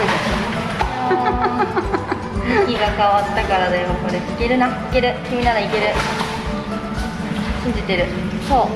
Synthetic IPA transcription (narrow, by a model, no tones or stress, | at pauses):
oid̪esɨnː | ikʲiɡakaβat̪ːakaɾad̪e̞moko̞ɾe̞ike̞ɾɯ̟naike̞ɾɯ̟kʲimʲinaɾaike̞ɾɯ̟ | ɕĩɲ̟d͡ʑit̪e̞ɾɯ̟so̞ː